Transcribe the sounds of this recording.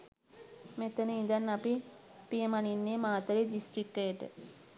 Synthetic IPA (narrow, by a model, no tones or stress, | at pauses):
met̪ənəind̪anːapipijəmaninːeːmaːt̪əɾedisʈɾikːəjəʈə̰